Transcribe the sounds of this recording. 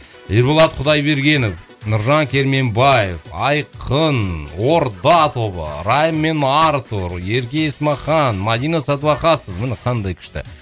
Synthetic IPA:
eɾbolˠɑt̪̚qʰʊd̪ɑjbe̞ɾɡʲe̞nof | nʊɾʒɑŋkʲʰe̞ɾme̞mbɑje̞̰vɑjqʰənwo̞ɾd̪ɑt̪o̞bə̰ɾɑjəmːe̞nɑɾt̪uɾe̞ɾkʲeesmɑχɑnmad̪ijnɑsɑt̪vɑqɑsovmɪnɪqʰɑnd̪ɑjkʲʰɪ̥ʃt̪ɪ̰

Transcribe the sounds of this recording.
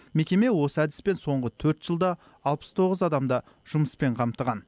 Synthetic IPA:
me̞kʲe̞me̞wo̞səæd̪ɪspe̞nso̞ɴʁət̪ʰɵɾt̪ʒ̥əlˠd̪ɑ | ɑlˠpə̥st̪ʰo̞ʁəzɑd̪ɑmd̪ɑ | ʒ̥ʊməspe̞ɴqʰɑmt̪əʁɑn

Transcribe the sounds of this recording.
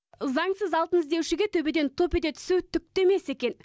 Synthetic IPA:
zɑŋsəzɑlˠt̪ənɪzd̪e̞wʃɪɡʲet̪ʰɵbed̪e̞nt̪ʰo̞ped̪et̪ʰʏ̥suwt̪ʰʏk̚t̪e̞me̞se̞kʲe̞n

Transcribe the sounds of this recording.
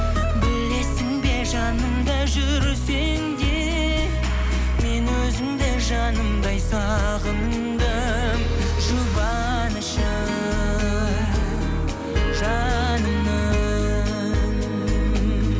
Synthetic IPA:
bɪle̞sɪŋbe̞ʒɑnəmd̪ɑʒʏɾse | ŋd̪e | me̞nwɵzɪmd̪eʒɑnəmd̪ɑjsɑ | ʁəm | d̪ə | m | ʒʊbɑ | nəʃə | ʒɑnəmd̪ə

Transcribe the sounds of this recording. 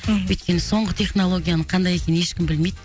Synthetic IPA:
wɵjt̪̚kʲe̞nɪso̞ɴʁət̪ʰe̞χno̞lˠo̞ɡʲijanəɴqʰɑnd̪ɑje̞kʲe̞nneʃkʲɪmbɪlme̞jd̪ɪ

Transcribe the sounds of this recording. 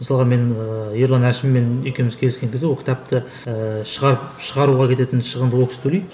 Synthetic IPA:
məsɑlˠʁɑme̞nəjeɾlˠɑnæʃɪmːe̞nʏjkʲʰe̞mɪzkʲʰe̞lɪskʲe̞ŋkʲʰzɪwokʰʲɪt̪ɑp̚t̪ɪ | əʃəʁɑɾəpʃəʁɑɾuʁɑkʲʰe̞t̪e̞t̪ɪnʃəʁənd̪əwoksɪ̥t̪ʰɵlej

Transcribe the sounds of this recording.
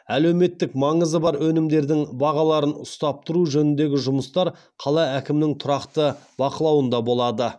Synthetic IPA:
æle̞wme̞t̪ːɪkmɑɴəzəbɑɾwɵnɪmd̪e̞ɾd̪ɪŋbɑʁɑlˠɑɾənʊst̪ɑp̚t̪ʰʊɾuʒɵnɪnd̪e̞ɡʲɪʒʊməst̪ɑɾ | qʰɑlˠɑækʲɪmnɪŋt̪ʰʊɾɑqt̪əbɑqəlˠɑwənd̪ɑbo̞lˠɑd̪ə

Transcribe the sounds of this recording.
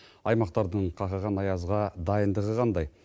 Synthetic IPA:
ɑjmɑqt̪ɑɾd̪əɴqʰɑqɑʁɑnɑjɑzʁɑd̪ɑjənd̪əʁəʁʰɑnd̪ɑj

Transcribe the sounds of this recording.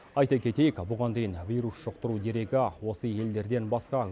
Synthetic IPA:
ɑjt̪ɑkʲʰe̞t̪e̞jekʲbʊʁɑnd̪e̞jnvʲijɾusʃoq̚t̪əɾud̪e̞ɾe̞ɡʲɪwo̞səe̞ld̪e̞ɾd̪e̞nbɑsqɑ

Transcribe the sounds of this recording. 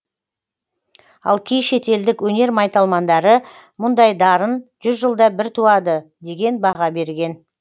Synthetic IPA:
ɑ̰lˠkʲʰejʃe̞t̪e̞ld̪ɪkwɵne̞ɾmɑjt̪ɑlˠmɑnd̪ɑɾə | mʊnd̪ɑjd̪ɑɾənʒ̥ʏzʒəlˠd̪ɑbɪɾt̪ʰuɑd̪əd̪e̞ɡʲe̞nbɑʁɑbe̞ɾɡʲe̞n

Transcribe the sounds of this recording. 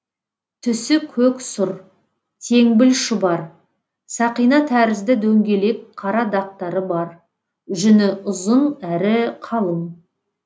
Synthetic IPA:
t̪ʰʏsɪkʲʰɵksʊɾ | t̪ʰe̞ŋbɪlʃɪbɑɾ | sɑqijnɑt̪ʰæɾɪzd̪ɪd̪ɵŋɡʲe̞le̞kqʰːɑɾɑd̪ɑq̚t̪ɑɾəbɑɾ | ʒʏnɪʊzənæɾɪqʰɑlˠəm

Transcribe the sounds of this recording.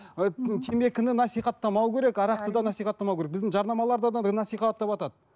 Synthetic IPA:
t̪ʰeme̞kʲʰɪnɪnɑsijχɑt̪ʰːɑmɑwkʲʰe̞ɾekɑɾɑqt̪əd̪ɑnɑsijχɑt̪ːɑmɑwkʲeɾekbɪzd̪ɪŋʒɑɾnɑmɑlˠɑɾd̪ɑd̪ɑnɑsijχɑt̪ːɑpɑt̪ɑd̪ə

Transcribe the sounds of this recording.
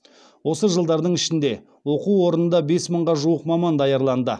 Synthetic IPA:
wo̞səʒəlˠd̪ɑɾd̪əɴɪʃɪnd̪e̞ | wo̞quwwo̞ɾənənd̪ɑbe̞sməɴʁɑʒuəqmɑmɑnd̪ɑjɑɾlˠɑnd̪ə

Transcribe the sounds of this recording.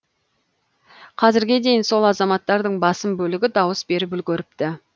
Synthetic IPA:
qʰɑzɪɾɡʲe̞d̪e̞jɪnso̞lˠɑzɑmɑt̪ːɑɾd̪əɴbɑsəmbɵlɪɡʲɪd̪ɑwəsbe̞ɾɪp̬ʏlɡʲɵɾɪp̚t̪ɪ

